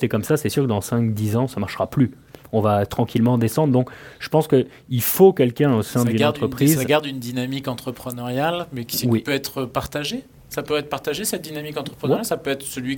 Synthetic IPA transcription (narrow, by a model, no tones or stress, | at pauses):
sɛkɔmsasɛsyʁkəd̪ɑ̃sɛ̃kd̪izɑ̃samaʁʃʁaply | ɔ̃vat̪χɑ̃kʲilmɑ̃d̪esɑ̃d̪ʁd̪ɔ̃kʒ̥ə̥pɑ̃skə | ilfokʲɛlkʲɛ̃osɛ̃d̪ynɑ̃t̪χəpχizaɡaʁd̪ynd̪inamikɑ̃t̪χəpχənaʁjalmɛkʲi̥swipøɛt̪χəpaʁt̪aʒe | sapøɛt̪χpaʁt̪aʒesɛt̪̚d̪inamikɑ̃t̪χəpχənʁjasapøɛt̪χəsəlɥi